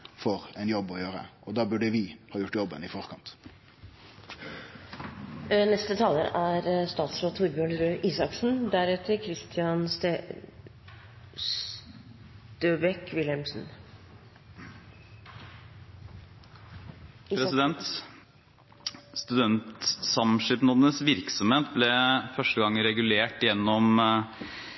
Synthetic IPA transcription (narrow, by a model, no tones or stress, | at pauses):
fɔʁɛnjɔbːɔjøːɾə̰ʔɔd̪ɑːbʉɖəʋɪhɑːjʊʈːjɔbːənɪfɔʁkʰɑnt̪ | nɛst̪ət̪ʰɑːlə̰ɾʔæɾst̪ɑːt̪sɾoːt̪ʰuɾbjøːɳəɾøːʔiːsɑksn̩d̪æɾɛt̪ʰəɾkʰɾɪst̪ʰɪɑn | s | t̪øːbɛkʋɪlɛmsn̩ | pɾɛsɪd̪ɛnt̪ | st̪ʉd̪ɛnt̪sɑmʂɪp̪nɔd̪ənəsʋɪɾksɔmheːt̪̚blɛfœʂʈəɡɑŋːɾɛɡʉleːʈjɛnːɔm